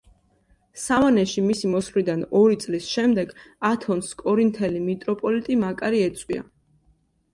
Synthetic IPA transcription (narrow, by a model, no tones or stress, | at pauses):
savanɛʃimisimɔsχlid̪anɔɾit̪sʼlisʃɛmd̪ɛɡat̪ʰɔnskʼɔɾint̪ʰɛlimit̪ʼɾɔpʼɔlit̪ʼimakʼaɾiɛt̪sʼwḭa̰